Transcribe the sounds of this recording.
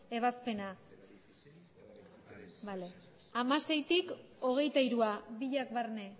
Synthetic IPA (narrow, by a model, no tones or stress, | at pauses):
e̞β̞aspe̞na | bale | amase̞jt̪iko̞ɣ̞e̞jt̪aiɾuaβiʎakβarne̞